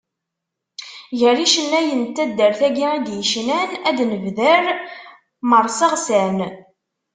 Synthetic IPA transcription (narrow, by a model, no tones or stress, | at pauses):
ʝəɾiʃənːæjənt̪ːæd̪ːəɾθæɡiid̪jəʃnænæd̪nəvðəɾ | məɾˤsɑʁsæn